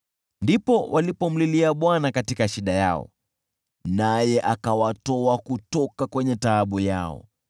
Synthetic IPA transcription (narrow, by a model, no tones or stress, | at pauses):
ndipɔwʔalipɔm̩liliaɓwanakatikaʃiɗaja̰ɔ̰ | najɛʔakawatɔakutɔkakwɛɲɛtaːɓuja̰ɔ̰